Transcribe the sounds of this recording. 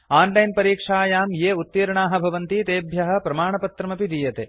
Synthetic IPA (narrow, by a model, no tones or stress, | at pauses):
aːnlɐjnpɐɾiːkʂaːjaːmjeːut̪ːiːɾɐɳaːɦɐ̆bʱɐʋɐnt̪it̪eːbʱjɐɦɐ̆pɾɐmaːɳɐpɐt̪ɾɐmɐpid̪ijɐt̪e